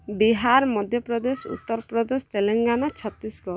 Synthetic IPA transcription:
biɦaɾmɔd̪ʱjɔpɾɔd̪esṵt̪ːɔɾɔpɾɔd̪est̪eleŋɡanat͡ʃʰɔt̪ɾisɡɔ

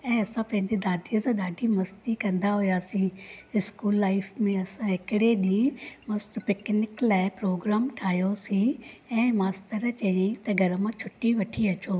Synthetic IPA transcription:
ɛ̃ːɐsãpɐ̃ɦɪ̃ɲd͡ʑed̪aːd̪ijət̪ãɗaːɖʱimɐst̪ikɐ̃nd̪aɦʊjaːsĩɪskuːlːaːɪfmẽɐsãɦɪkɪɽeɗĩːmɐst̪pɪknɪklaːɪpɾoːɡɾaːmʈʰaːjosĩɛ̃ːmaːst̪əɾt͡ɕɐɦjẽt̪ɐɡʱɐɾəmãt͡ɕʰʊʈiʋɐʈʰiɐt͡ɕoː

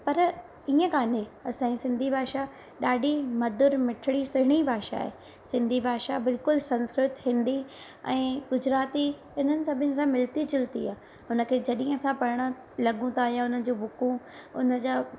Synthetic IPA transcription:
pɐɾ | iːə̃ɡaːneɐsãːɲisɪ̃nd̪ʱibʱaːʃa | ɗaːɖʱimɐd̪ʊɾmɪʈʰɪɽisɪɦɪɽ̃ibʱaːʃa̰ːɦḛː | sɪ̃nd̪ʱibʱaːʃabɪlkʊlsɐ̃nskɾɪt̪ɦɪ̃nd̪i | ɛ̰̃ːɡʊd͡ʑɾaːt̪i | ɪn̤ənɪ̆sɐbʱɪnɪ̆sãmɪlt̪it͡ɕʊlt̪ḭaː | ɦʊnə̆kʰeːd͡ʑɐɗĩɐsãpɐɾɽ̃ə | lɐɠũt̪aːɦijaʊnə̆d͡ʑoːɦʊkũ | ʊ̰nəd͡ʑaː

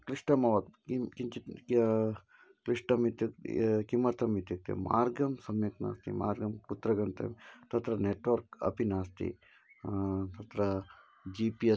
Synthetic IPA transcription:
kliʂʈɐmɐʋɐt̪̚ikiɲt͡ʃi | kliʂʈɐmit̪ukt̪ḭkimɐɾt̪ʰɐmit̪juk̚t̪ḛma̰ːɾɡɐmsɐmjɐkna̰ːst̪ḭma̰ːɾɡɐmkut̪ɾɐɡɐnt̪ḛmt̪ɐt̪ɾɐneʈʋɐɾkɐ̰pinaːst̪ḭ | t̪ɐt̪ɾɐ | d͡ʒiːpie

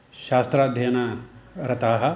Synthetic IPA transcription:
ʃaːst̪ɾaːd̪ʱjɐːnɐɾɐt̪aːɦɐ

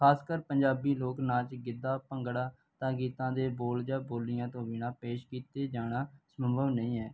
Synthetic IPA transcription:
kʰaːskəɾpəɲd͡ʒaːbiːloːknãːt͡ʃɡɪd̪aːpəŋɡɽaː | t̪ãːɡiːt̪ãːd̪eːboːld͡ʒaːboːlːɪjãːt̪õːbɪnãːpeːʃkiːt̪eːd͡ʒaːɽaːsə̃mbʱəʋnə̃ĩːɛː

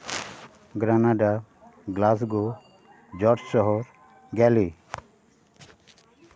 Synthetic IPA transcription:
ɡɾanaɖa | ɡlaːs̬ɡo | d͡ʒɔɾd͡ʒsɔɦɔɾ | ɡɛli

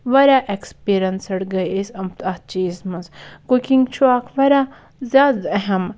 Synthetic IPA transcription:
ʋɐɾʲaʔekspiːɾʲɐnsɐɽɡɐjesʲɐmt̪ɐht͡ʃiːzmɐskukʲiŋɡt͡ʃʰuaːkʰʋɐɾʲa | zʲaːd̪ɐɦɐm

